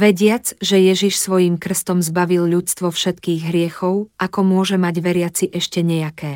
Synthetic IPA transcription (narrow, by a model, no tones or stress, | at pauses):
ʋɛɟɪad͡zʒɛjɛʒiʃsʋɔjimkr̩st̪ɔmzbaʋilʎut͡st̪ʋɔfʃɛt̪kiːɣɦɾɪɛxɔʊʔakɔmʊɔʒɛmaɟʋɛɾɪat͡siʔɛʃcɛɲɛjakɛː